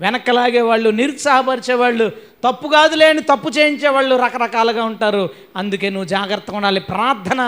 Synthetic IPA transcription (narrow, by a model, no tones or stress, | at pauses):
ʋɛnɐkɐlaːɡeːʋaːɭːuniɾut̪sɐɦɐpɐɾit͡ʃeːʋaːɭːut̪ɐpːuɡaːd̪ule̞ːɐnit̪ɐpːut͡ʃe̞ːjiɲt͡ʃeːʋaːɭːuɾɐkɐɾɐkaːlɐɡaːuɳʈaːɾu | ɐnd̪uke̞ːnuʋːud͡ʒaːɡɾɐt̪ːɐkuɳɖaːlipɾɐaːɾd̪ʱʰɐnɐ